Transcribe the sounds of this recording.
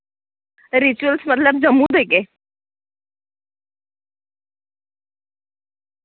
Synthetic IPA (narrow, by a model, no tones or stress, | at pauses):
ɾit͡ɕuəlsmət̪ləb̚d͡ʑəmũd̪eke